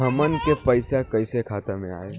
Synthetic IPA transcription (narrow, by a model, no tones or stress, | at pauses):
ɐmənkepəɪsakɐɪsekʰaːt̪emḛ̃a̰ːeː